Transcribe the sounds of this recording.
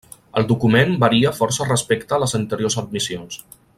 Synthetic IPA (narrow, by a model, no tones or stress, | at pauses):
ə̰lˠd̪ukumembəɾiəfɔɾsərəspekt̪əːləzənt̪əɾjozəd̪̚misions